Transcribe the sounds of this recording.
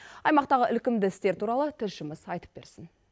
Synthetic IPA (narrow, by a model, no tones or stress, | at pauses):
ɑjmɑqt̪ɑʁəʔɪlkʲɪmd̪ɪɪst̪e̞ɾt̪ʰuɾɑlˠət̪ʰʏzʃəməzɑjt̪əp̚be̞̰ɾsɪn